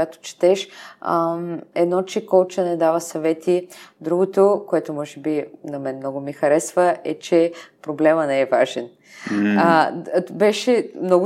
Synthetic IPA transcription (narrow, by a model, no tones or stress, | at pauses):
at̪o̥t͡ʃi̥t̪ɛʃ | ɛd̪nɔt͡ʃɛkɔlt͡ʃɐnɛd̪avɐsɐvɛt̪ʰid̪ɾuɡot̪okoɛt̪omɔʒɛbinɐmɛnmnɔɡʊmixɐɾɛsvɐɛt͡ʃɛpɾoblɛmənɛːvaʒɛn | bɛʃɛmnɔɡʊ